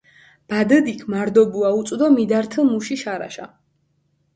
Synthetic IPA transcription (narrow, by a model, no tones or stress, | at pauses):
b̥ad̪əd̪ikʰmaɾd̪ɔbuaut̪sʼd̪ɔmid̪aɾt̪ʰəlˠmuʃiʃaɾa̰ʃa